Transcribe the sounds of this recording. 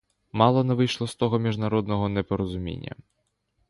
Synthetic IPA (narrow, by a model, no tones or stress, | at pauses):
mɑlˠɔnɛʋɪjʃlˠɔst̪ɔɦɔmʲiʒnɐɾɔd̪nɔɦɔnɛpɔɾɔzʊmʲḭnʲːɐ̰